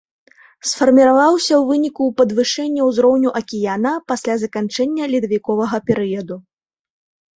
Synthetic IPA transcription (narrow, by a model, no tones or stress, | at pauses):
sfɐrmʲiɾavawsʲɐwvɨnʲikuːpɐd̪vɨʂɛnʲːɛwzɾɔwnʲuʔɐkʲijanɐpasʲlʲazɐkant͡ʂɛnʲːɐlʲid̪ɐvʲikɔvɐɣɐpʲɛɾɨjɐd̪u